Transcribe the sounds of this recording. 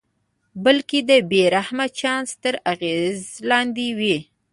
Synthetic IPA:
bəlked̪əbeɾahmat͡ʃɑnst̪əɾaɣezlɑnd̪ewi

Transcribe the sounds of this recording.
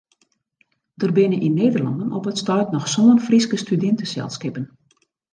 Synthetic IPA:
dərbɪnəʔinːeːdərlɑ̰ndənʔɔpətstœɥtnɔxsoːənfriskəstydɪntəsɛ̰lˠskɪpən

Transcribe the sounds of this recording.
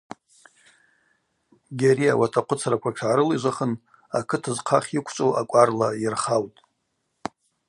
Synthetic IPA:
ɡʲaɾiawatʰaqʷʰʊt͡sʰaɾakʷʰaʈ͡ʂʰʕaɾɨliʒʷaχən | akʰɨtʰazqʰaχʲikʷʰt͡ʃʷʼowʔakʷʼarlajɪrχawtʼ

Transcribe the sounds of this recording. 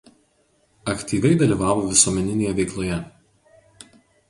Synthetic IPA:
ɐkt̪ʲiːʋʲɛɪd̪ɐlʲiˑːʋɑːʋoːʋʲɪsuɔmʲɛnʲɪnʲeːjɛʋʲɛɪklˠoːjɛ

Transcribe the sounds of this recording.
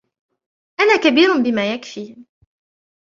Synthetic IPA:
ʔanaːkabiːɾnbɪmaːjakfiː

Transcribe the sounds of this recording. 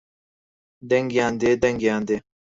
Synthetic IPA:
d̪ɐŋɡjãːnd̪eːd̪ɐŋɡjãːnd̪eː

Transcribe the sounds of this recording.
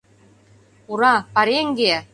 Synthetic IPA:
uɾɑpɑɾeŋɡe

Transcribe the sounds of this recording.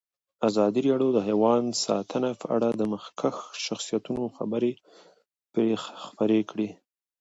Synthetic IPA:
azɑd̪iɾɑɽjod̪əɦajwɑnd̪sɑ̰t̪ʰənapəʔa̰ɽad̪əməxkʰaxʃaxsijat̪unoxabəɾe | pɾexxpəɾekɽe

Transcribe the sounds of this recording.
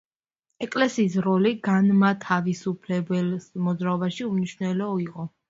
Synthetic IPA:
ɛkʼlɛsiːs̬ɾɔliɡanmat̪ʰavisupʰlɛbɛlsmɔd̪zɾaɔbaʃiumniʃwnɛlɔɔiqʼɔ

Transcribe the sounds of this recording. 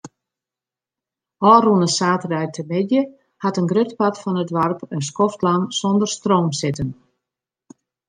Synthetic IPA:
ɔːrunəsaːtərɛjtʰəmɪdjə | hatənɡrøtpatfɔnətʋarpənskɔftlansondərstroːmsɪtən

